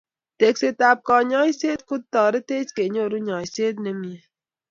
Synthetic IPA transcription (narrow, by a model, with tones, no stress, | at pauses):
t̪e˨kse˨t̪aː˨p̚kɔː˨ɲɔː˦jseː˦d̪̚kʊ˦d̪̚t̪ɔː˨ɾe˦t̪eː˦t͡ʃke˨ɲo˦˨ɾu˦ɲɔː˨jseː˦d̪̚ne˦mi˨e˨